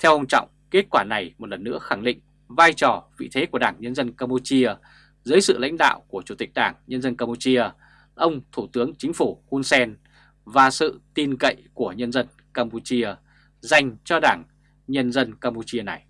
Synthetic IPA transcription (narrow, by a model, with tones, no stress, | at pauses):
t̪ʰɛ˧wʔə˧wŋ͡mt͡ɕɔ̰˧˨wŋ͡mke˦˥t̚kwaː˧˩na˨˩jmo˨˩t̚lə˨˩nːɨ̰˧˥əxa˧˩ŋɗḭ̈˧˨ŋ̟ | vaː˧jt͡ɕɔ˨˩vḭ˧˨t̪ʰe˨˦ku˧˩əɗaː˧˩ŋɲə˧nzə˧nkaː˧mpu˧t͡ɕi˧ə | zəː˨˦jsɨ̰˧˨la̰˧˥jŋ̟ɗa̰ː˧˨wku˧˩ət͡ɕu˧˩t̪ï˨˩k̟̚ɗaː˧˩ŋɲə˧nzə˧nkaː˧mpu˧t͡ɕi˧ə | ʔə˧wŋ͡mt̪ʰu˧˩t̪ɨ˨˦əŋt͡ɕï˨˦ŋ̟fu˧˩xu˧nsɛ˧n | vaː˨˩sɨ̰˧˨t̪i˨˩nkə̰˧˨jku˧˩əɲə˧nzə˧n | kaː˧mpu˧t͡ɕi˧ə | za˨˩jŋ̟t͡ɕɔ˧ɗaː˧˩ŋ | ɲə˧nzə˧nkaː˧mpu˧t͡ɕi˧əna˨˩j